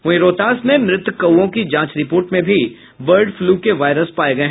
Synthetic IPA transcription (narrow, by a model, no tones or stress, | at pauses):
ʊiɾoːt̪aːsmẽmɾɪt̪kɐõkid͡ʒãːt͡ʃɾɪpoːɾʈmẽbʱi | ʋəɾɖfluːkeʋaːɪɾəspaːeɡɐeɦ